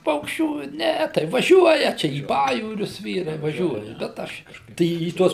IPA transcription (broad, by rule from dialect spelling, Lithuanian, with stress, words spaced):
ˈpɐʊkʃʲt͡ʃʲuː ˈnʲɛ tɐɪ ʋɐˈʒʲuɔjɛ ˈt͡ʃʲɛ iː ˈpɑːjuːrʲʊs ˈʋʲiːrɐɪ ʋɐˈʒʲuɔjɛ bʲɛt ˈɐʃ kɐʃˈkɐɪp ˈtɐɪ iː ˈtuɔs